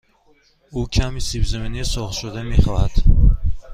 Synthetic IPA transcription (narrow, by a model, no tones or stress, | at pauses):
ukʰamisibzaminisɔχt̪ʃud̪ameχɔhad̪̥